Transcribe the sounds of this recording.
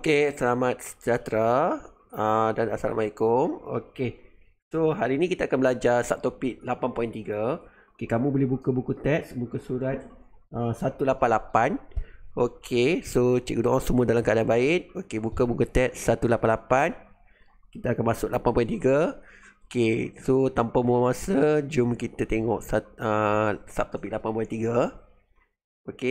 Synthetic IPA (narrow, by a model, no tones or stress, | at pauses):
okesəlamat̪̚sə̥d͡ʒat̪ɾa | ədanasa̰la̰maikomo̰ke | soɦalinikit̪aaːkanbəlad͡ʒarsap̚t̪opɪʔ̚lapanpɔjint̪iɡa | okekamũbolɛbukabukut̪ɛt̪̚sbukasuɾat̪̚ | əsat̪ulapanlapanokʰesot͡ʃɛ̰ʔkudõʔasəmuədalamkaʔadanbaɪt̪̚okebukabukut̪ɛt̪̚sːat̪ulapanlapan | kit̪aakanmasʊk̚lapanpɔjnt̪iɡa | okesot̪ampamuamasad͡ʒʊmkit̪at̪eŋɔʔsaəsap̚t̪opik̚lapanpɔint̪iɡa | oke